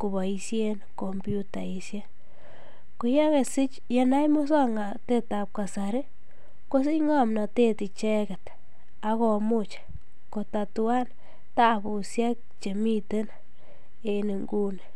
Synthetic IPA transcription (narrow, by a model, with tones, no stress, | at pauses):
ku˨βa˨i˧sje˦nko˨mbju˦ta˨i˨sja˦ | ko˨ja˦ŋe˨sɪ˦t͡ʃ | je˦na˦jmo˦s̬a˦ŋa˨te˦ta˨p̚ka˨sa˨ɾe˦ | ko˦s̬i˦ŋa˦mna˨te˦ti˨t͡ʃɛ˦kɛ˨t | a˨˦ko˨mʊ˦t͡ʃ | ko˨ta˨tu˦a˦n | ta˦bu˨sja˦k̚ | t͡ʃe˨mi˦te˦n | e˨ne˨ŋɡu˦ne˨